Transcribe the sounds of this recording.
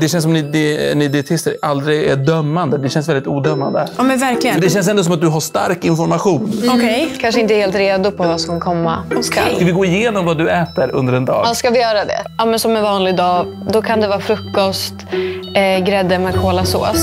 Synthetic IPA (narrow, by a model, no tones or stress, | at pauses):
d̪ɛɕɛns̬ɔmnɪd̪ɛnɪd̪ɪɛt̪ʰɪst̪əɾʔald̪ɾɪɡɛɖœmːand̪əd̪ɛʃɛnsvɛlɪt̪uːd̪œmːand̪əɑːmɛnvæɾklɪɡəd̪ɛʃ̬ɛns̬ɛnd̪ɔs̬ɔmat̪̚d̪ɵɦaʂt̪a̰ɾkɪnfɔɾmaɧuːnɔkʰɛjkʰanʂ̬əɪnt̪əɛɾheːlt̪ɾeːd̪ʊpʰɔvaːsɔmkʰɔmːa̰ska̰avɪɡoːɾɪjeːnɔmvad̪ɵɛːt̪əɾɵ̰nd̪əɾɛnd̪ɑ̰ːɡskavɪjœːɾad̪ɛ̰ɑːmɛnsɔmɛnvɑːnlɪɡd̪ɑː | d̪ɔkʰand̪ɛvɑːfɾɵkːɔst̪ | ɡɾɛd̪ːəmɛkʰoːlaso̰ːs